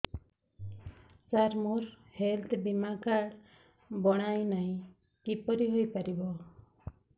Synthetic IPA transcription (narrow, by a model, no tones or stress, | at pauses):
saɾmuɾ | helt̪ʰbimakaɽ | bɔɽ̃ajnaj̃ | kipɔɾiɦojpaɾibɔ